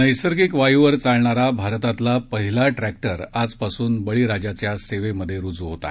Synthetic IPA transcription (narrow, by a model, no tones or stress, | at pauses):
nəjsəɾɡikʋajuʋəɾt͡saɭɳaɾabʱaɾt̪at̪lapəɦilaʈɾæk̚ʈəɾad͡zpasuːnbəɭiɾad͡ʑat͡ɕjaseʋeməd̪ʱːjeɾud͡zuɦot̪a̰